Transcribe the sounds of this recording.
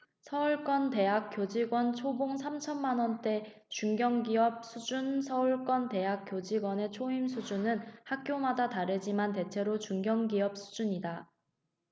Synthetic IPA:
sʰʌuɭk͈wʌnte̞ɦak͈jod͡ʑiɡwʌnt͡ɕʰoboŋsʰamt͡ɕʰʌnmanwʌnt͈e̞ | t͡ɕuŋɡjʌŋɡiʌp̚s͈ʰud͡ʑunsʰʌuɭk͈wʌnte̞ɦak͈̚jod͡ʑiɡwʌne̞t͡ɕʰoimsʰud͡ʑunɯnhak̚k͈jomadataɾed͡ʑimante̞t͡ɕʰe̞ɾot͡ɕuŋɡjʌŋɡiʌp̚s͈ʰu̥d͡ʑuɲida

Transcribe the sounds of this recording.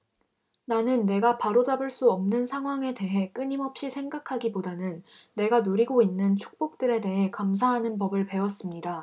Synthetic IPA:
nanɯnːe̞ɡapaɾod͡ʑabɯɭs͈uʌmnɯnsʰaŋɦwaŋe̞de̞ɦe̞k͈ɯɲimʌp̚ɕ͈isʰe̞ŋɡakʰaɡibodanɯnːe̞ɡanuɾiɡoinːɯnt͡ɕʰu̥k̚p͈ok̚t͈ɯɾe̞de̞ɦe̞kams̬ʰaɦanɯnpʌbɯɭpe̞wʌs͈ɯmɲida

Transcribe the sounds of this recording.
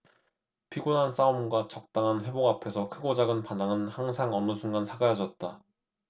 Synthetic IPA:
pʰiɡonans͈aumɡwat͡ɕʌk̚t͈aŋɦanɸwe̞boɡapʰe̞sʰʌkʰɯɡod͡ʑaɡɯnpanaŋɯnhaŋsʰaŋʌnɯsʰuŋɡansʰaɡajad͡ʑʌt̚t͈a

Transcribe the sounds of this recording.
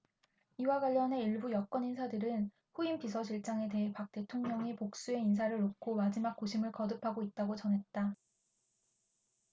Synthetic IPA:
iwaɡwaʎːʌne̞iɭbujʌk͈wʌninsʰadɯɾɯn | ɸuimpisʰʌɕ̬ʰiɭt͡ɕ͈aŋe̞te̞ɦepak̚t͈e̞tʰoŋɲʌŋipok̚s͈ue̞ins̬ʰaɾɯɭːokʰomad͡ʑimak̚k͈oɕʰimɯɭkʌdɯpʰaɡoit̚t͈aɡot͡ɕʌnɦe̞t̚t͈a

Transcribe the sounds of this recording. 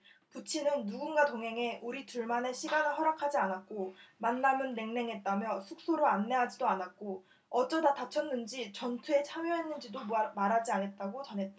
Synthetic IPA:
put͡ɕʰinɯnːuɡunɡatoŋɦe̞ŋe̞ʔuɾituɭmane̞ɕʰiɡanɯɭɦʌɾakʰad͡ʑianat̚k͈omanːamɯnːe̞ŋne̞ŋɦe̞t̚t͈amjʌsʰuk̚s͈oɾoanːe̞ɦad͡ʑidoanat̚k͈o | ʌt͡ɕ͈ʌdatat͡ɕʰʌnːɯnd͡ʑit͡ɕʌntʰue̞t͡ɕʰamjʌɦenːɯnd͡ʑidomaɾad͡ʑianɦe̞t̚t͈aɡot͡ɕʌnɦe̞t̚t͈a

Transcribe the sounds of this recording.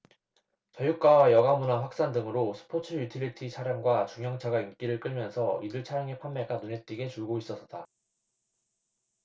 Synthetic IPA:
t͡ɕʌjuk̚k͈awajʌɡamunaɸwak̚s͈andɯŋɯɾosʰɯ̥pʰot͡ɕʰɯjutʰiɾitʰit͡ɕʰaɾjaŋɡwat͡ɕuŋjʌŋt͡ɕʰaɡaink͈iɾɯɭk͈ɯɭmjʌnsʰʌidɯɭt͡ɕʰaɾjaŋepʰanmːeɡanunet͈iɡe̞t͡ɕuɭɡois͈ʌs͈ʌt͈a

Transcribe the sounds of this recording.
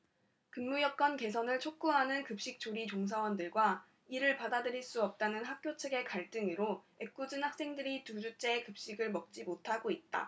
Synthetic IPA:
kɯnmujʌp̚k͈ʌnke̞s̬ʰʌnɯɭt͡ɕʰok̚k͈uɦanɯnkɯp̚ɕ͈ik̚t͡ɕ͈oɾit͡ɕoŋs̬ʰawʌndɯɭɡwa | iɾɯɭpadadɯɾiɭs͈uʌp̚t͈anɯnɦak̚k͈jot͡ɕʰe̞ɡe̞kaɭt͈ɯŋiɾo | e̞k̚k͈ud͡ʑɯnhak̚s͈e̞ŋdɯɾitud͡ʑut͡ɕ͈e̞ːkɯp̚ɕ͈iɡɯɭmʌk̚t͡ɕ͈imotʰaɡoit̚t͈a̰

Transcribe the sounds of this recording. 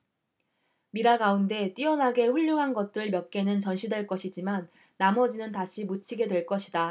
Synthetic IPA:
miɾaɡaunde̞t͈iʌnɦaɡe̞ɸuʎːuŋɦanɡʌt̚t͈ɯɾɯɭmjʌk̚k͈e̞nɯnt͡ɕʌnɕʰidwe̞ɭk͈ʌɕʰid͡ʑimanː | amʌd͡ʑinɯntaɕʰimut͡ɕʰiɡe̞dwe̞ɭk͈ʌɕʰida

